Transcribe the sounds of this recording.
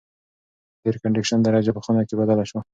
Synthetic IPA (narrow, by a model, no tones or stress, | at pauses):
d̪eɾkaɳɖɪkʃand̪aɾɑd͡ʒapəxunakebad̪alaʃwa